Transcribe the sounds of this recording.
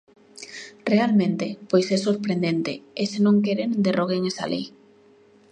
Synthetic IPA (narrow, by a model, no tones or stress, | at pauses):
realmẽnt̪epojsɛsoɾpɾend̪ent̪eesenõŋkeɾend̪eroɣ̞eŋesa̰lʔḛj